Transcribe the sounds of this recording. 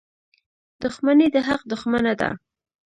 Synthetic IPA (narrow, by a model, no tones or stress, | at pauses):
d̪̥ʊxmaned̪əɦaq̚d̪ʊxmanad̪a̰